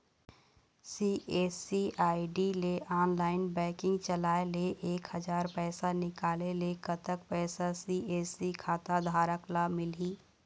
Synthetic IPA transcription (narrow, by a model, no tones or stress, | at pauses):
siːʔeːsiʔaːɪɖileʔaːnlaːɪnbɛ̃ːkɪ̃ŋɡt͡ʃɐlaːeleʔeːkhɐd͡ʒaːɾpɛːsanɪkaːlelekət̪ək̚pɛːsasiːeːsikʰaːt̪ad̪ʱaːɾəklamɪliː